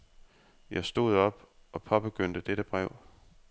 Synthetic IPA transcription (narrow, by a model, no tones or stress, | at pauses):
jɑ̈ɪsd̥o̝ð̞̰ˠɒ̽b̥ɒ̽pʰɒ̽b̥eɡ̥øn̰d̥əd̥eɾ̥əb̥ʁɛʊ̰